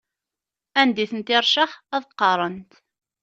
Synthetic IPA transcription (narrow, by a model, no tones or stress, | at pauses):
ænd̪iθənt̪ɪɾˤʃəχæðəqːɑɾˤənt̪